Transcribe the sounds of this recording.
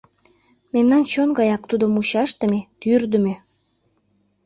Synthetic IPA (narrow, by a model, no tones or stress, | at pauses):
memnɑnt͡ɕonɡɑjɑk̚t̪ud̪omuɕɑʃt̪ə̆met̪yrd̪ə̆me